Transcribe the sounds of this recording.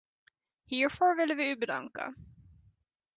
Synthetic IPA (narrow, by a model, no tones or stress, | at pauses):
hiːɹfɔɹvɪlːəvɪʉːbəd̪a̰ŋka̰